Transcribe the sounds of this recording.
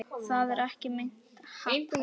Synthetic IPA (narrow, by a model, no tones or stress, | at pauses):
θaðɛɾɛhcɪmejn̥t̪haek